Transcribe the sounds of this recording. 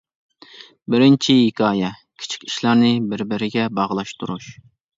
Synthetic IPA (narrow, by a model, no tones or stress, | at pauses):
bɪɾɪnt͡ʃʰiɦikʰʲɑːjɛkʲʰi̥t͡ʃʰi̥kʲi̥ʃlˠɑɾnɨbɪɾbɪɾɪɡʲɛbɑʁlˠɑʃt̪uɾuʃ